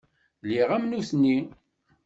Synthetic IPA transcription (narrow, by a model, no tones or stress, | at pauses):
liʁæmnusnːi